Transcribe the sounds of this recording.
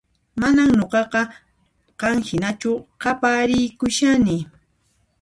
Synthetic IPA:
manaŋɲoqɑqɑ | qɑŋhɪnat͡ʃʊqɑpaːɾɪjkʊʃanɪ

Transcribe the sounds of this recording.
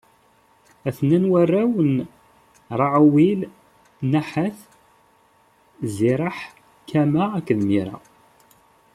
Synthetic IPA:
æθnænwærːæwən | ɾˤɑʕwil | næħəθ | ziɾˤɑħ | kæmæːkːðmiɾæ̰

